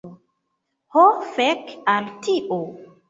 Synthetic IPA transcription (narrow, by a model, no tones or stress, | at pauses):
hɔfɛkaltʰiʔo